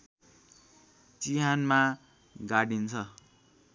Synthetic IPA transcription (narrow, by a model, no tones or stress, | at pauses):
t͡siɦanma | ɡaɽint͡sʰʌ